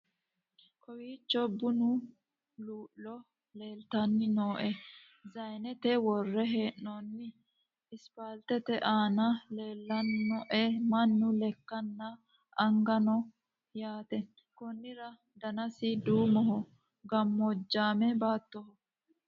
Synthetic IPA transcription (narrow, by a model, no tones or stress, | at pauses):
kʰɔwiːt͡ʃːɔbʊnʊ | luːʔːɔ | le̞ːlt̪ɐnːɪnoːʔɛ | zɐjnɛt̪ɛwɔrːɛɦeːʔnoːnːɪ | ɪspaːlt̪ɛt̪ɛʔaːnɐle̞ːlːɐnnɔʔɛmɐnːʊlɛkːɐnːɐ | ɐŋɡɐnɔ | jaːt̪ɛ | kʊnːɪɾɐ | d̪ɐnɐsɪd̪uːmɔɦɔ | ɡɐmːɔd͡ʒːaːmɛbaːt̪ːɔhɔ